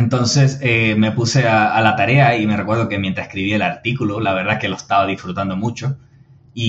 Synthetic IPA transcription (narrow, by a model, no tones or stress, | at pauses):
nt̪õ̞nse̞seme̞puse̞aalat̪aɾe̞aime̞re̞kweð̞o̞kemjent̪ɾase̥kɾiβielaɾt̪ikululaβ̞e̞ɾðaeke̞loest̪aβað̞isfɾut̪and̪o̞mut͡ʃo̞ | i